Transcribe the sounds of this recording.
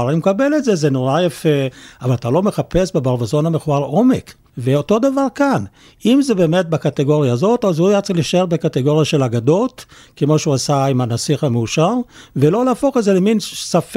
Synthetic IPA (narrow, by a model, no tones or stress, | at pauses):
aʁanimkabe̞letzezenoʁajafeavalat̪alo̞me̞χape̞sbebaʁvazo̞nhameχuaʁʔo̞mek | veoto̞d̪avaʁkan | imzebe̞ːme̞t̚bakateɡo̞ʁjaːzo̞tazujat͡seliʃaeʁbekateɡo̞ʁjaʃe̞laɡado̞t | kemoʃeuasaimanasiχameuʃaʁvelo̞laːfo̞χezeleminsaf